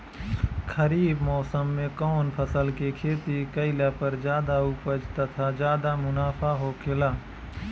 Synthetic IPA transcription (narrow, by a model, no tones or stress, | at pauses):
kʰəɾiːbmɔːsəmːẽkɔːnpʰəsəlkekʰeːt̪ikəɪlapəɾd͡ʒaːd̪aupəd͡ʒt̪ɐt̪ʰad͡ʒaːd̪amʊnaːfʰaɦokʰelaː